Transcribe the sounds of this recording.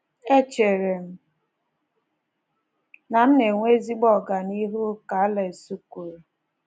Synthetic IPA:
e˦t͡ʃe˨ɾe˨m̩˦ | na˨m̩˦ne˨ŋʷe˦zi˦ɡ͡bɔ˦˨ɡa˨ni˦ɦu˦ka˨a˦le˨e˨su˦ku˨ɾo˨

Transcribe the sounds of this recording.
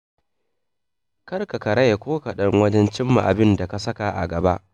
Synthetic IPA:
kɐ˦rka˨kɐ˨ɽɐ˦ja˨kʷoː˦ka˨ɗɐ˦ŋwɐ˦d͡ʒɛ˦nt͡ʃɪ˦mːa̰˨ʔa˨bɪ˦nda˨ka˨sɐ˦ka˨ʔa̰˨ɡɐ˨ba˦ʔ

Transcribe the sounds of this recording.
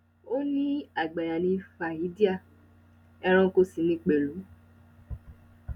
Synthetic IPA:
o˦nĩ˦a˦˨ɡ͡ba˨ja˨nĩ˨˧fa˨i˨˦di˦a˦˨ | ɛ˧ɾ̃ɔ̃˧ko˧si˨mĩ˧˦k͡pe˨lu˨˦

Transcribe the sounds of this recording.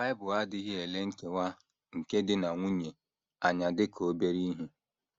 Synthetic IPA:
ba˦ɪ˦bʊ˨a˦dɪ˦ɣɪ˦e˨le˦ŋ̩˦ke˦wa˦ | ŋ̩˨ke˦dɪ˦na˨ŋʷu˦ɲe˨ | a˨ɲa˨dɪ˦kʰo˦be˦ɾi˦ɦu˦

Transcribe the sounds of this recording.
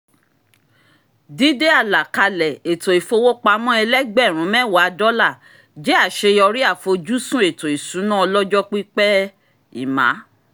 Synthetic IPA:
di˨˦de˦a˦˨la˨ka˧lɛ˨e˨to˨i˨fo˧wo˦k͡pa˧˦mɔ̃˦ɛ˧lɛ˦ɡ͡bɛ˦˨ɾ̃ũ˨˦mɛ̃˦˨wa˨˧dɔ˦la˦˨ | d͡ʒe˦a˦˨ʃe˧jɔ˧ɾi˦a˦˨fo˧d͡ʒu˦sũ˦e˨to˨i˨sũ˨˦nã˦ɔ˧lɔ˦d͡ʒɔ˦k͡pi˦k͡pɛ˦ | ḭ˦˨mã̰˨˦

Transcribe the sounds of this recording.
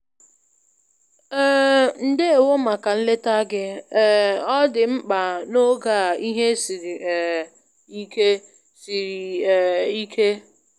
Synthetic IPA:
n̩˨de˦e˨wo˦ma˨ka˨n̩˦le˦ta˦ɡɪ˦˨ | ɔ˦dɪ˨m̩˦k͡pa˨no˦ɡa˨i˦ɦe˦si˨ɾi˨ | i˦ke˦ | si˨ɾi˨ | i˦kʰe˦

